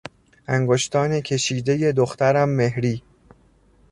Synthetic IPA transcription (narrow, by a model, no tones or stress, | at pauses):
ʔæŋɡoʃt̪ʰɒːnecʰe̞ʃiːd̪e̞je̞d̪oxt̪æɾæmːe̞hɾiː